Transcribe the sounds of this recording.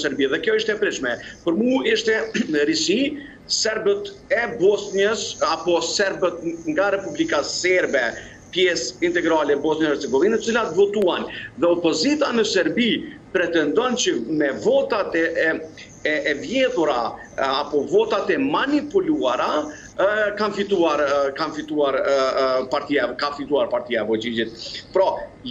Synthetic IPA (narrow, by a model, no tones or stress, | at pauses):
sɛɾbiðɛkjɔiʃt̪ɛpɾiʃmɛpəɾmuiʃt̪ɛɾisi | sɛɾbət̪ɛbɔsnɲəsapɔsɛɾbət̪ŋɡaɾɛpublikasɛɾbɛ | pjɛsint̪ɛɡɾalɛbɔsnəɛɾt͡sɛɡɔvinət̪ət͡silat̪vɔt̪uanðɛɔpɔzit̪anəsɛɾbipɾɛt̪ɛnd̪ɔnt͡ʃəmɛvɔt̪at̪ɛ | ɛɛvjɛt̪uɾaː | pɔvɔt̪at̪ɛmanipuluaɾa | kanfit̪uaɾkanfit̪uaɾpaɾt̪iakafit̪uaɾpaɾt̪iaɛvɔt͡ʃid͡ʒit̪̚pɾɔ